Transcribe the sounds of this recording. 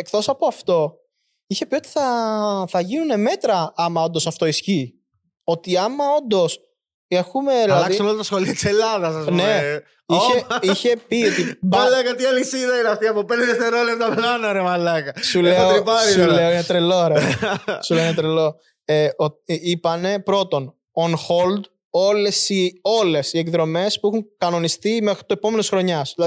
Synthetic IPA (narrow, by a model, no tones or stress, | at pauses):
ekθo̞sɐpo̞ɐft̪o̞ | içe̞pio̞t̪i̥θɐθɐʝinune̞me̞t̪ɾɐɐmɐo̞nd̪o̞sɐft̪o̞isçi | o̞t̪iɐmɐo̞nd̪o̞s | exumeelɐɐsisnolɐt̪ɐsxoliɐt̪i̥selɐðɐsɐsne | içeiçe̞pio̞t̪ibɐlɐkɐt̪iɐlisiðɐinɐft̪iɐpopend̪eðeft̪eɾolet̪ɐplɐnoɾemɐlɐkɐsuleɐoɾipɐɾileoɲɐt̪ɾeloɾesuleoɲɐt̪ɾelo̞ | eoipɐne̞pɾo̞t̪o̞n | onxo̞ld̪ | o̞le̞sio̞le̞sie̞kðɾo̞me̞spuɛxuŋkɐno̞nist̪imexɾit̪oepo̞me̞nisxɾo̞ɲɐsðilɐð